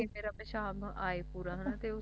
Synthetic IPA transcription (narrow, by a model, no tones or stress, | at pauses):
ẽmeːɾapẽʃaːbʔaːepuːɾãɦənat̪eʊ